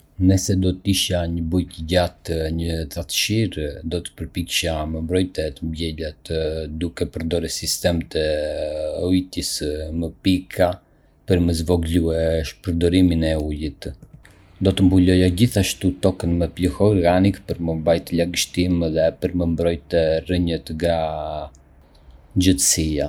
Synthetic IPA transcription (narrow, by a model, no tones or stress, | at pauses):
nəsɛd̪ɔt̪əiʃaɲəbujt̪əɟat̪ɲət̪at̪ə̥ʃiɾd̪ɔt̪ə̥pəɾpikʃaməmbɾɔjt̪ɛt̪əmbjɛlɛt̪d̪ukɛpəɾd̪ɔɾɛsist̪ɛmt̪ɛ | ɔit̪isməpikʰa | pəɾməzvɔɡluɛʃpəɾd̪ɔɾiminɛujit̪ | d̪ɔt̪əmbulɔjaɟiθaʃt̪ut̪ɔkənməpləxɔɔɾɡanikpəɾməmbajt̪əlaɡəʃt̪imðɛpəɾməmbɾɔjt̪ɛrəɲət̪ɡɾa | ɲd͡ʒət̪əsia